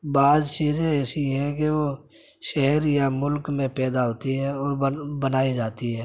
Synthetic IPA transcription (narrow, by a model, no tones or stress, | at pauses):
baːzt͡ʃiːzẽɛːsiɦɛ̃keʋo | ʃɛɦəɾjamʊlkmẽpɛːd̪aɦoːt̪iɦɛ̃ɔːɾbənaːid͡ʒaːt̪iɦɛ̃ː